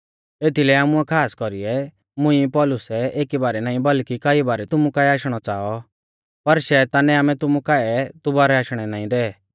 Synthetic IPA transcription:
eːt̪ʰilɛaːmuɛkʰaːskɔɾiɛ | mʊ̃ĩpɔlʊsɛeːkibaːɾɛnaːĩbɐlkikaːibaːɾɛt̪ʊmukaːɛaːʃɽ̃ɔt͡saːɔ | pɐɾʃɛt̪aːnɛaːmɛt̪ʊmũkaːɛt̪ʊbaːɾɛaːʃɽ̃ɛnaːĩd̪ɛ

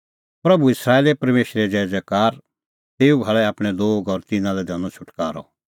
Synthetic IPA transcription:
pɾɐbuɪsɾaːeːlepɐɾmeːʃɾɛd͡ʒɛːd͡ʒɛkaːɾ | t̪eːubʱaɭɛaːpɽ̃ɛloːɡɔɾt̪ɪnãlɛd̪ʱɐnɔt͡ʃʰʊʈkaːɾɔ̰

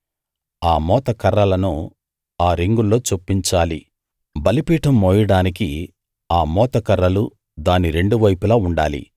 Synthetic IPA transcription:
aːmɔːt̪ɐkɐɾːɐlɐnu | aːɾiŋɡulːo̞ːt͡ʃopːiɲt͡ʃaːli | bɐlipiːʈɐmːoːjɐɽaːnik̬i | aːmɔːt̪ɐkɐɾːɐlu | d̪aːniɾe̞ɳɖuʋɐjpulɐuɳɖaːlḭ

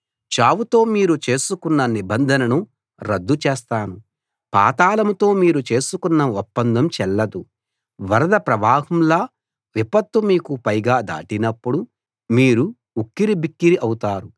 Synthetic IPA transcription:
t͡ʃaːwut̪o̞ːmiːɾut͡ʃe̞ːsukunːɐnibɐnd̪ʱɐnɐnu | ɾɐd̪ːut͡ʃeːst̪aːnu | pa̰ːt̪aːlɐmut̪o̞ːmiːɾut͡ʃe̞ːsukunːɐɔpːɐnd̪ɐmt͡ʃɛlːɐd̪u | ʋɐɾɐd̪ɐpɾɐʋaːɦɐmlaː | ʋipɐt̪ːumiːkupɐjɡaːd̪a̰ːʈinɐpːuɽu | miːɾu | ukːiɾibikːiɾiʔɐwut̪aːɾu

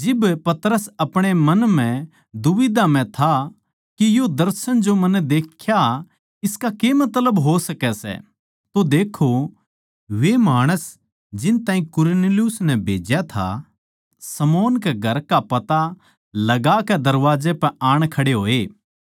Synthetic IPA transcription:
d͡ʒɪbpɐt̪ɾəsɐpɽ̃emɐnm̤ɛ̃ | d̪ʊʋɪd̪am̤ɛ̃t̪ʰa | kijod̪ɐɾsənd͡ʒomɐnɛd̪eːkʰːja | ɪskakemɐt̪ləbɦosɐkɛsɛ̰ | t̪od̪eːkʰo | ʋemaːɽ̃əs | d͡ʒɪnt̪ãːɦĩkʊɾneljʊsnɛbʱeːd͡ʒjat̪ʰa̰ | sɐmɔːnkɛɡʱɐɾkapɐt̪a | lɐɡakɛd̪ɐɾʋaːd͡ʒepɛaːɽ̃kʰɐɽeɦoːeː

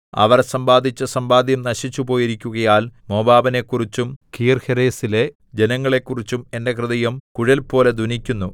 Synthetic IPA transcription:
ɐ̰ʋɐrsɐmbaːd̪ʱit͡ɕːɐsɐmbaːd̪jɐmnɐɕit͡ɕːubo̞ːjiɾikʲːuɣɐjaːlmo̞ːbaːbɐne̞kːurit͡ɕːumkijrheɾeːsile | d͡ʑe̞nɐŋːɐɭe̞kːurit͡ɕːume̞nde̞krɨðɐjɐmkuɻɐlpo̞ːle̞d̪unikʲːunːu

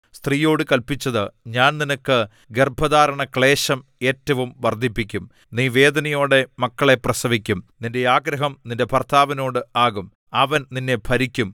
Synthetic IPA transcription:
st̪riːjo̞ːɽɨkɐlpit͡ɕːɐðɨɲaːnninɐkːɨ | ɡerbʱɐðaːɾɐɳɐkɭe̞ːɕɐme̞ːtːɐʋumʋɐrd̪ʱipːikʲːum | niːʋe̞ːd̪ɐnɐjo̞ːɽemɐkːɐɭe̞prɐsɐʋikʲːumninde̞aːɡɾɐɦɐmninde̞pɐrt̪ʰaːʋɐno̞ːɽɨaːɣum | ɐʋɐnninːe̞pʰɐɾikʲːum

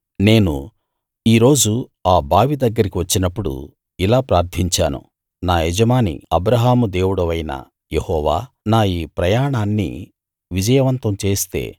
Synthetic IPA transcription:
ne̞ːnṵ | iːɾo̞ːd͡ʒuaːbʱaːʋid̪ɐɡːɐɾikiʋɐt͡ʃːinɐpːuɽṵ | ilaːpɾaːɾt̪ʰiɲt͡ʃa̰ːnṵ | naːjɛd͡ʒɐmaːnḭɐbɾɐɦaːmud̪e̞ːwuɽɐʋɐjnɐ̰ | jehɔːʋaː | naːjiːpɾɐjaːɳaːnːḭ | ʋid͡ʒɐjɐʋɐnt̪ɐmt͡ʃe̞ːst̪e̞̰ː

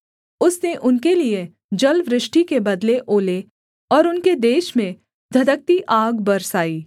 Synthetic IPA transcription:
ʊsneʔʊnkelie | d͡ʒɐlʋɾɪʃʈikebɐd̪leʔoːle | ɔːɾʊnked̪eːʃmẽ | d̪ʱɐd̪ək̚t̪iʔaːɡbɐɾsaːiː

